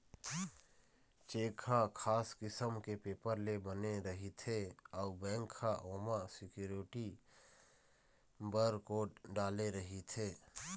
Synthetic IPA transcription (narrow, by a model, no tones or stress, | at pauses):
t͡ʃeːkʰakʰaːskɪsəmkepeːpəɾlebəneɾəɦit̪ʰeɔːbɛ̃ːŋkʰːaʔoːmasɪkjuːɾɪʈi | bəɾkoːɖaːleɾəɦit̪ʰeː